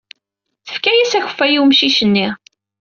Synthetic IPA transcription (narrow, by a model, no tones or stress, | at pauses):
θə̥fkæjæsæçə̥fːæjiwmʃiçənːi